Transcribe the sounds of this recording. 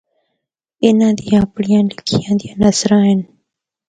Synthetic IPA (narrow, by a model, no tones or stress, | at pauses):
ɪnãːd̪ijãpɽɪjãːlɪkʰɪjãːd̪ijãːnəsɾãːɦɪn